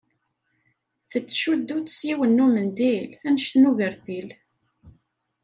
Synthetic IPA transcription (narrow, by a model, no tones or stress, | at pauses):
θət͡sːʃud̪ːut̪ːə̥sjiwənːumənd̪ilænəʃθnuʝəɾθil